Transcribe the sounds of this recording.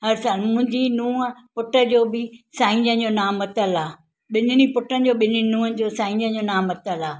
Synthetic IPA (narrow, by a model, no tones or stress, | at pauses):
ɦɐɾsaːlmʊ̃ɦɪ̃ɲd͡ʑinũːəpʊʈəd͡ʑoːbɪsaːĩɲd͡ʑənd͡ʑoːnaːmɐt̪əlaː | ɓɪnɪɽ̃ipʊʈənɪ̆d͡ʑoːɓɪninũːənɪ̆d͡ʑoːsãːĩːd͡ʑə̃d͡ʑoːnaːmɐt̪əlaː